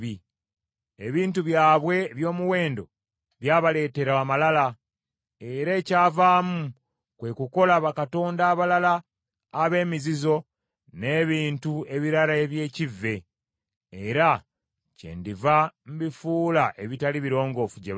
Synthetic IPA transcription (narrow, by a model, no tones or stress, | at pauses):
i | eβiːntuβjaːβwe̞βjo̞ːmuwe̞ːndo̞̰ | βjaːβale̞ːte̞ɾaamalala | eɾeːcaːvaːmu | kwe̞kuko̞laβakato̞ːndaːβalalaː | βe̞ːmizizo̞ | ne̞ːβiːntue̞βiɾalaeβje̞ːcivːe̞ | eɾa | cḛːndivam̩bifuːlaʔe̞βitaliβiɾo̞ːŋɡo̞fuɟḛ